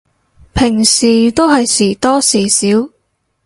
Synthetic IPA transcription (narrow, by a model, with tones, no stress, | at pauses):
pʰɪ˨˩ŋsiː˨˩t̪o˥wɦɐ˨jsiː˨˩t̪ɔː˥siː˨˩siː˨˥w